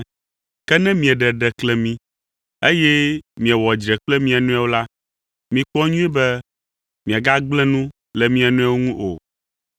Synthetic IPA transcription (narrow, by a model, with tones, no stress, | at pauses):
kɛ˦nɛ̃˦mĩ˨ɛ˨ɖɛ˨ɖɛ˨klɛ˨mĩ˦ | e˦jɛ˦mĩ˨ɛ˨wɔ˨d͡ʒɾɛ˨k͡plɛ˦mĩ˦a˨nũ˦a˨wo˦la˦ | mĩ˨k͡pɔ˦ɲũ˦ɛ˦bɛ˦ | mĩ˨a˨ɡa˦ɡ͡blɛ̃˦nũ˦ | lɛ˨mĩ˦a˨nũ˦a˦wo˦ŋũ˦ʔo̰˨